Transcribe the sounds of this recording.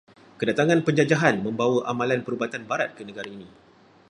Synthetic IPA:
kədat̪aŋãnpəɲd͡ʒad͡ʒaɦanmə̃mbawəʔamãlanpəɾubat̪anbaɾat̪̚kənəɡaɾaini

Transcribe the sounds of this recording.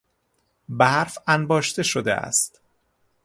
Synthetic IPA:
bæɾfænbɒːʃt̪e̞ʃod̪ḛʔæ̰st̪

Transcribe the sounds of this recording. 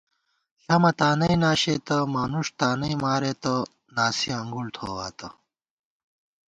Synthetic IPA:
ɕɐmɐt̪aːnɐinaːɕeːt̪ɐmaːnuʂt̪aːnɐimaːɾeːt̪ɐ | naːsiɐŋɡult̪ʰoːwaːt̪ɐ

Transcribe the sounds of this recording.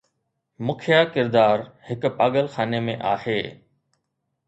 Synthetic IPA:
mʊkʰjakɪɾd̪aːɾhɪkpaːɠəlxaːnemẽʔaːheː

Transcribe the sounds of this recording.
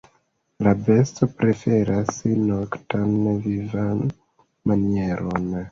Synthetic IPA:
labe̞sto̞pɾe̞fe̞ɾasnoktanvivan | manie̞ɾo̞n

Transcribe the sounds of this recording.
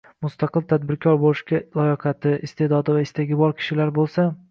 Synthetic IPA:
mʊst̪ʰɑqɨlˠt̪ʰad̪̚bɪɾkʲʰɒɾbolɪʃkʲalˠɒjɪqʰɑt̪ʰɪɪst̪ʰe̞d̪ɒd̪ɪvaɪst̪ʰaɡʲɪbɒɾkʲʰɪ̥ʃɪlaɾbolˠsa

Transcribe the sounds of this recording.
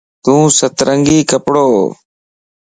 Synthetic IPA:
t̪ũːsət̪ɾəŋɡiːkəpɽoː

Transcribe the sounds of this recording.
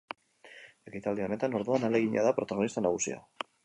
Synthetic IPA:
ekit̪ald̪ione̞t̪anoɾðoanaleɣiɲa̰ðapɾo̞t̪aɣ̞o̞nist̪anaɣ̞usḭa̰

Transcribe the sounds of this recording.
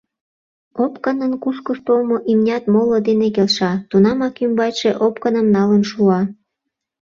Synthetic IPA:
opkənənkuskost̪omoʔimnʲɑt̪molod̪enek̬elʃɑt̪unɑmɑkymbɑjʃeʔopkənəmnɑlənʃuɑ

